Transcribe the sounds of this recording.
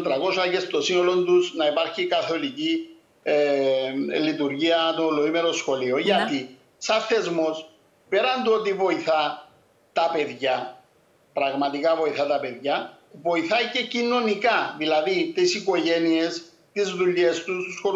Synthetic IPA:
t̪ɾɐko̞sɐcest̪o̞sino̞lo̞nd̪usnɐipɐɾçikɐθo̞lici | lit̪uɾʝiɐt̪o̞loimeɾo̞sxo̞lio̞ʝɐt̪i | sɐɾθe̞zmo̞s | pe̞ɾɐnd̪uo̞t̪̬ivo̞iθɐ | t̪ɐpe̞ðʝɐ | pɾɐɣmɐt̪ikɐvo̞iθɐt̪ɐpe̞ðʝɐ | vo̞iθɐce̞cino̞nikɐðilɐðit̪isiko̞ʝe̞nie̞s | t̪izðuʎːe̞st̪ususxoɾ

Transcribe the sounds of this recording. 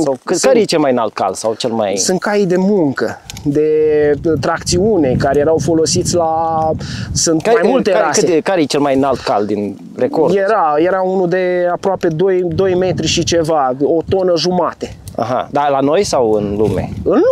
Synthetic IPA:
k̪kaɾejet͡ʃelmajna̰lt̪̚ka̰lsawt͡ʃelma̰jsɨnt̪̚kaid̪e̞muŋkə | d̪e̞t̪ɾak̚t̪siune̞kaɾejeɾawfo̞lo̞sit̪sʲla | sɨnt̪amajmult̪eɾaskɨekaɾejet͡ʃelmajnalt̪kald̪in | rekorjeɾaje̞ɾaunud̪e̞apɾoape̞d̪ojd̪o̞jme̞t̪ɾiʃit͡ʃe̞vaot̪o̞nəʒumat̪e | a̰ɦa̰d̪alano̞jsawɨnlṵmḛɨn

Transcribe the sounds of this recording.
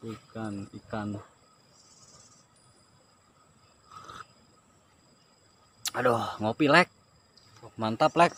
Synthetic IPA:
ukanikanu | adoŋopilɛk̚ | mant̪aplɛk̚

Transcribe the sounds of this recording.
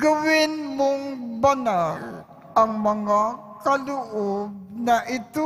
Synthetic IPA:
ɡɐwɪnmoŋbɐnal | ʔɐŋmɐŋa | kɐlʊʔob̚nɐʔɪt̪o

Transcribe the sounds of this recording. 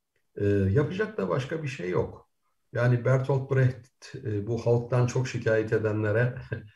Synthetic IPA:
ɛːjapʰɯd͡ʒak̚t̪aba̰ʃkabiʃejːok | jaːnibæɾt̪ʰolt̪̚buɾɛht̪t̪ːbuhalˠk̚t̪ʰant͡ʃʰo̞kʃicʰaːjɛt̪ʰe̞d̪ænlʲeɾɛ

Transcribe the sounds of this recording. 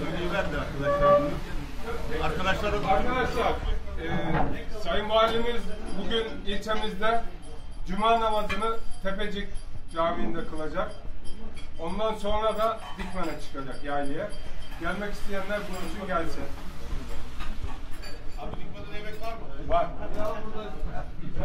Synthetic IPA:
iæaɾkʰad̪aʃlˠaɾ | aɾkad̪aʃˠaaɾkʰad̪aʃlˠaɾɛsajɯmbalʲimizbuɟynilʲt͡ʃ̪ʰe̞mizd̪ɛd͡ʒymanamat̪ɯnɯt̪ʰe̞ped͡ʒicd͡ʒaːmind̪ɛkʰɯlˠad͡ʒak̚ | o̞nd̪anso̞nɾad̪ad̪ikmanat͡ʃʰɯ̥kʰad͡ʒakjaːnijɛɟælʲmɛci̥st̪ʰejænlʲæɾkʰonusunɟælʲsɛ | ba

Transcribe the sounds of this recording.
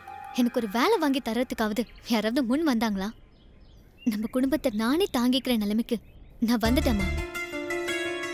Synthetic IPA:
ɛnɐkːɔɾɯʋeːlɛʋaːŋɡit̪ɐɾɐt̪ːɯkːaːʋɐðɯjaːɾaːʋɐðɯmʊnːʋɐnd̪aːŋɡɐɭlãː | nɐmːɐkʊɽʊmbɐt̪ːɐnaːneːt̪aːŋɡɪkːɪɾɐnɐlɐmɪkːɯnãːʋɐnd̪ɯʈːɐ̃ːmeː

